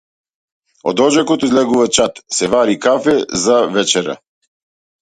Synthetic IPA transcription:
ɔ̰d̪ɔd͡ʒɛkɔt̪ɔizlɛɡuvat͡ʃat̪sɛvaɾikafɛzavɛt͡ʃɛɾa̰

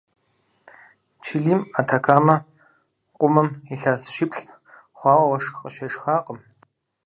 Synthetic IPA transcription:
t͡ʃʰiɮiːmatʰakʰaːmɐ | qʷʊmɐmiɬaːsʃɪpɬ | χʷɑːwɐwɐʂxqəʃɐʂxaːqʼəm

